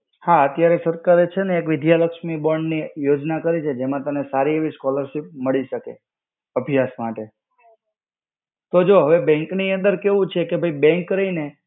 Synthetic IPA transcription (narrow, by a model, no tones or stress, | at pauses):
haət̪jaɾesəɾkaɾet͡ʃʰeneːkʋɪd̪jaləkʃmibəɳɖnijod͡ʒnakəɾit͡ʃʰed͡ʒemãt̪əmnesaɾieʋiskɔləɾʃip̚məɭiʃəkḛ | əbʱjasmaʈe | t̪od͡ʒoɦəʋebɛ̃ŋkniə̃nd̪əɾkeʋũt͡ʃʰekebʱəibɛ̃ŋkɾəine